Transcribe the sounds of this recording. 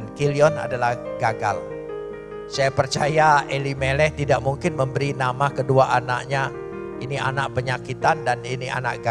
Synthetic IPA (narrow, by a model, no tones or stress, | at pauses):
nkiliɔna̰dalahɡaɡa̰l | sajapərt͡ʃajaelimelɛht̪idaʔmuŋkɪnməmbəɾinamakəduaʔana̰ʔɲa | inia̰naʔ̚pəɲakit̪andaniniʔa̰na̰ʔɡa